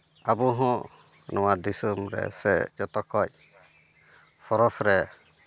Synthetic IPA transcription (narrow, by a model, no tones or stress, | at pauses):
abuɦɔ̃nɔwad̪isumɾɛ̰sɛd͡ʒɔt̪ɔkɔc̚ | pʰɔɾɔsɾɛ